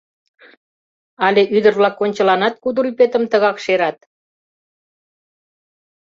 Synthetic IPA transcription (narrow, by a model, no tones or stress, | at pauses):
ɑleʔyd̪ərβlɑkːonʲt͡ɕəlɑnɑt̪̚kud̪əɾypet̪əmt̪əɣɑkʃeɾɑt̪